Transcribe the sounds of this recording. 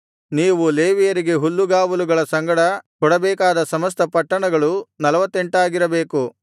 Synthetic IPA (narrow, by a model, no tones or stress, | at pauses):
niːʋuleːʋijɐɾiɡe̞ɦulːuɡaːʋuluɡɐɭɐsɐŋɡɐɽɐkɔɽɐbɛːkaːd̪ɐsɐmɐs̬t̪ɐpɐʈːɐɳɐɡɐɭunɐlɐʋɐt̪ːe̞ɳʈaːɡiɾɐbeːku